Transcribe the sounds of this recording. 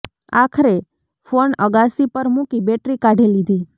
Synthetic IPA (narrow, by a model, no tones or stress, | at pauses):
a̰kʰɾe | fonəɡasipəɾmũkibeʈɾikaɖʱelid̪ʱi